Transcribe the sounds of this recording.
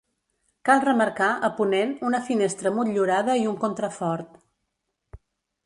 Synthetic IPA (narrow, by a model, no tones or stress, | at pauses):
kalˠrəməɾkaʔəpunenunəfinest̪ɾəmut̪ʎuɾaðəiuŋkont̪ɾəfɔɾt̪